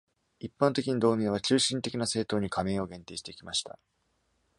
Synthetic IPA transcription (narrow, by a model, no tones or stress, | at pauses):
ipːãnt̪e̞kʲiɲ̟id̪o̞ːmʲẽβ̞at͡ɕɨːɕĩnt̪e̞kʲinase̞ːt̪o̞ːɲ̟ikʰamẽ̞ːo̞ɡẽ̞nt̪e̞ːɕi̥t̪e̞ikʲimaɕi̥t̪a̰